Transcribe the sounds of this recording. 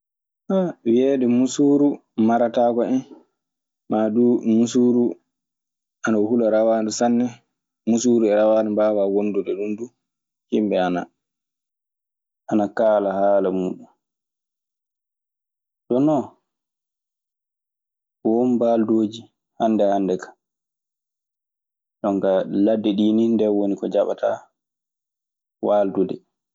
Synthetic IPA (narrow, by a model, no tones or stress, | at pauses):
ɓawiɛːɗɛmusuːɾumaɾataːkɔɛn | maːɗumusuːɾu | ʔanahulaɾawaɗusanːɛ | musuːɾuɛɾawaːnɛbawawonduɗɛɗundu | himbɛana̰ | ʔanakaːlahaːlamuːɗum | ɗɔnɔ | wonbaːldoːd͡ʒi | hanːdɛhandɛkḁ | ɗɔŋkaladːɛɗiːnindɛwonikɔd͡ʒaɓa̰ta | waːldudɛ